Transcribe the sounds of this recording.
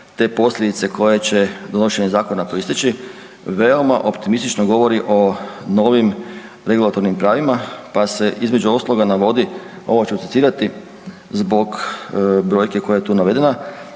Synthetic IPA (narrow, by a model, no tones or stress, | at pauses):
t̪e̞ːpo̞slʎʲed̪it̪se̞ko̞jet͡ɕe̞d̪o̞noʃe̞ɲezaːko̞napoist̪it͡ʃi | ʋe̞o̞maʔo̞pt̪imist̪it͡ʃnoɡo̞ʋoɾiʔo̞no̞ʋim | ɾe̞ɡulˠat̪o̞ɾnimpɾaːʋimapase̞ʔizme̞d͡ʒuoslˠoɡanaʋo̞d̪i | o̞̰ʋot͡ɕeusi̥t̪t̪iːɾat̪i | zbo̞ɡ | bɾo̞jke̞ko̞jajet̪uːnaʋe̞d̪e̞na